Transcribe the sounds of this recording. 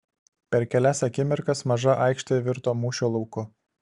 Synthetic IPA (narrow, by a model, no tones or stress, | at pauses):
pʲɛɾkʲɛlʲæsɐkʲɪmʲɪɾkɐsmɐʒɐʔɑɪkʃt̪ɐjɛʋʲɪɾt̪oːmuːʃʲoːlˠɔʊkʊ